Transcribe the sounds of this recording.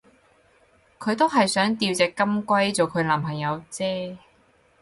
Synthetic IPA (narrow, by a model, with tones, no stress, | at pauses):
kʰɵ˨˧ɥt̪o˥wɦɐ˨jsœː˨˥ŋt̪iː˧wt͡sɛː˨kːɐ˥mkʷɐ˥jt͡sɔː˨˩kʰɵ˨˧ɥlɐː˨˩mɦɐ˨jːɐ˨˧wt͡sɛː˥